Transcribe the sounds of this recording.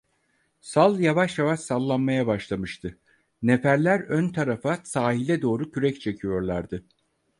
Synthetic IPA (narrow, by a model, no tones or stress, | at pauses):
salˠjavaʃjavaʃsalˠːanmajabaʃlˠamɯʃt̪ʰɯ | nefæɾlʲæɾønt̪ʰaɾafasaːɦilʲɛd̪o̞ːɾucʰyɾɛct͡ʃʰe̞cʰijo̞ɾlˠaɾd̪ɯ